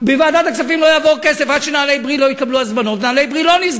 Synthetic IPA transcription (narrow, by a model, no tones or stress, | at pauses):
bevaːd̪at̪aksafimlojavo̞ʁke̞sefaʃenaːlejbʁilo̞jikabluazmano̞t̪nalejbʁilo̞niz